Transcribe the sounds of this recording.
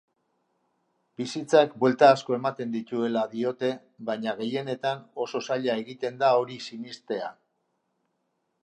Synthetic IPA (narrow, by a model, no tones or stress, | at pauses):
bisit͡sakbwe̞lt̪aːsko̞e̞mat̪e̞nd̪it̪ue̞laðio̞t̪e̞ | βajɲaɣ̞e̞je̞ne̞t̪ano̞so̞saʎae̞ɣit̪e̞nd̪ao̞ɾisinist̪e̞a